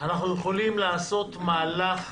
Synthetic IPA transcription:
anaχnuje̞χo̞limlaːso̞t̪maːlaχ

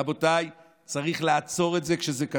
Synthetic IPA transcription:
abo̞taj | t͡saʁiχleat͡so̞ʁe̞tze̞kʃezeka

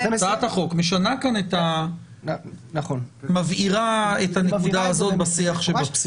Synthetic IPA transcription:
saat̪aχo̞kmeʃanakanet̪a | nχonmaviʁaetanekud̪aːzo̞t̪̚basiaχʃebaps

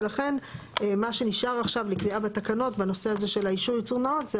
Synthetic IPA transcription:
laχe̞n | emaʃe̞niʃaʁaχʃavlikviabatakano̞tbano̞se̞aze̞ʃe̞laiʃuʁjut͡suʁnaotze

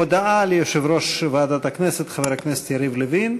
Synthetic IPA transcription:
od̪aalejoʃevɾoʃvaːd̪at̪akneset̪χaveɾhaknese̥t̪jaɾivlevin

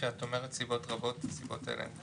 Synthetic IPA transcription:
eat̪omeʁɛt̪sibot̪ʁabot̪sibot̪ʰḛlʔḛn

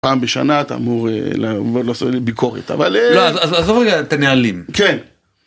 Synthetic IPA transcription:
paːmbeʃa̰nat̪a̰ːmuʁelavodlosobikʰo̞ʁḛt̪a̰valloazazazofʁeɡat̪anealimken

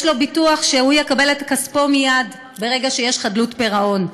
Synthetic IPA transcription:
jʃlo̞bituaχʃehujekabe̞letḁkaspo̞mijad | be̞ʁeɡaʃejeʃχadlutpeʁaʔo̞n

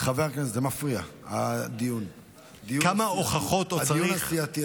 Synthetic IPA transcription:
χaveʁkneszemafʁiaad̪ijun | d̪ijukamaoχaχot̪oadaijunasiat̪i

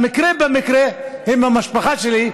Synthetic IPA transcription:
mikʁebemikʁehimhamaʃpaχaʃeli

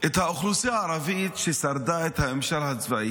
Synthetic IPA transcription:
ʔet̪haoχlusiaːɾavit̪ʃesaɾd̪aet̪haemʃalhat͡svaʔi

